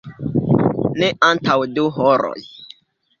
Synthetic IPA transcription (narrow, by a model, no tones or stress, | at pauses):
neʔantawduɦoɾo̰j